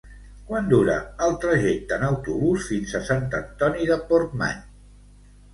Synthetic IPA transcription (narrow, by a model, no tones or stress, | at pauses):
kwand̪uɾə̰əlˠt̪ɾəʒɛk̚t̪ənəwt̪uβusfinzəsant̪ənt̪ɔniðəpoɾt̪̚ma̰ɲ